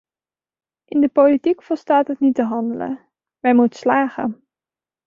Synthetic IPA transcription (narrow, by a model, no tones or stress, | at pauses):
ʔɪndəpolitikfɔlˠstaːtɦətnitəɦɑndələ̰ | mɛjmutə̥slaːχə̰